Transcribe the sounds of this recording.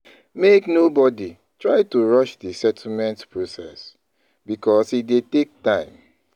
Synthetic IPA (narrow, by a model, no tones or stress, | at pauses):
meknobɔdi | tɹaɪtuɹɔʃdisɛtʰl̩mɛ̃ntpɹosɛs | bikɔsidetek̚tãɪ̃m